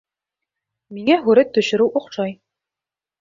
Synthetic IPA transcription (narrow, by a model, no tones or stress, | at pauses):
miŋæɦʉɾæt̪ːɵ̆ɕɵ̆ɾɘwʔuqʃɑj